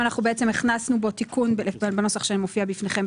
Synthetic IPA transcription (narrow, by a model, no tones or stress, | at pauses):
anaχnubeʔet͡se̞miχnasnubo̞t̪ikunbbano̞saχʃeanimofiabifneχe̞m